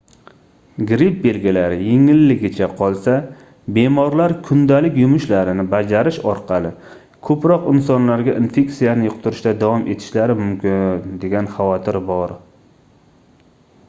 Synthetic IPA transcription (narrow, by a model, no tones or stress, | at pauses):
ɡɾip̚be̞lɡʲilaɾɪjeŋɪlːɪɡʲɪt͡ʃʰaqʰɒlˠsa | be̞mɒɾlaɾkʰʊnd̪alɪkʲjʊmʊʃlaɾɪnɪbad͡ʒaɾɪʃɒɾqʰɑlˠɪ | kʰɵpɾɒqɪnsɒnlaɾɡʲaʔinfe̞ksijanɪjʊqt̪ʰʊɾɪʃt̪ad̪avɒmʔe̞̰t̪ʰɪ̥ʃlaɾɪmʊmkʲɪnd̪e̞ɡʲanχɑvɒt̪ʰɪɾbɒɾ